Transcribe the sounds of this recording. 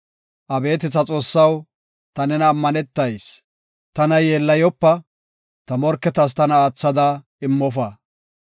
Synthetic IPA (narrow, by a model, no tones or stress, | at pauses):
ʔɐbe̞ːt̪ɪt͡sːɐt͡sʼo̞ːsːɐw | t̪ɐnɛnɐːmːɐnɛt̪ːɐjs | t̪ɐnɐjeːlːɐjɔpːɐ | t̪ɐmɔɾkːɛt̪ɐs̬t̪ɐnɐaːt͡sːɐd̪ɐ | ɪmːɔfɐ